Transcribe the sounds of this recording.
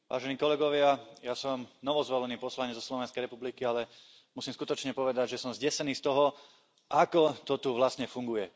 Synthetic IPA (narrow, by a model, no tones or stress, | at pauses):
ʋʔa̰ːʒɛniːkɔlɛɡɔʋɪajasɔmnɔʋɔzʋɔlɛniːpɔslaɲɛzɔslɔʋɛnskɛjɾɛpublikialɛ | musiːmskut̪ɔt͡ʃɲɛpɔʋɛd̪aɟʒɛsɔmzɟɛsɛniːst̪ɔɦɔ | ʔakɔt̪ɔt̪uʋlasɲɛfuŋɡujɛ